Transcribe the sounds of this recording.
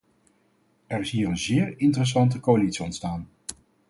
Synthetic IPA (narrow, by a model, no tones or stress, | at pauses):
ʔɛɹɪsɦiːrənzɪːɹɪntərəs̬ɑnt̬əkoalitsiɔntstaːn